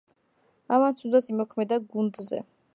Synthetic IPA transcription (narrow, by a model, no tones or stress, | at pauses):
amant̪sʰud̪at̪ʰimɔkʰmɛd̪aɡund̪zɛ̰